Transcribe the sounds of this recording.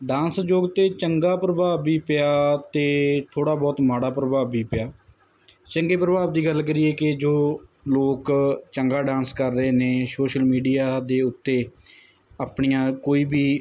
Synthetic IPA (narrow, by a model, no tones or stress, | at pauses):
ɖãːnsd͡ʒoːɡt̪eːt͡ʃəŋɡaːpɾəbaːiːpɪjaːt̪eːt̪ʰoːɽaːbɔːt̪maːɽaːpɾəbaːʋːiːpɪjaː | t͡ʃəŋɡeːpɾəbaːbd̪iːɡəlk̬əɾiːɛːkɪd͡ʒoː | loːkt͡ʃəŋɡaːɖãːnskəɾːəeːneːsoːʃəlmiːɖijaːd̪eːʊt̪ːeː | əpɳijãːkoːiːbiː